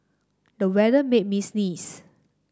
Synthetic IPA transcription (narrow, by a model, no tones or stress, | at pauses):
dəwɛdəmet̚misnis